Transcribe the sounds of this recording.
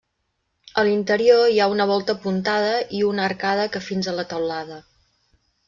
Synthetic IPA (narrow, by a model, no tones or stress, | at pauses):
əlint̪əɾioiaunəβ̞ɔlˠt̪əpunt̪aðəʔiunəːrkaðəkəfinzələt̪əwlaðə